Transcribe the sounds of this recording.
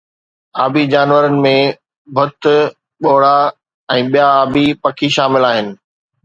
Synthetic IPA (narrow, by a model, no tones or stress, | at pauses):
aːbʱid͡ʑaːnʋəɾənɪ̆mẽ | bʱʊt̪ʊ | ɓoːɽa | ɛ̃ːɓijaaːbʱipɐkʰiʃaːmɪlaːɦɪnɪ̆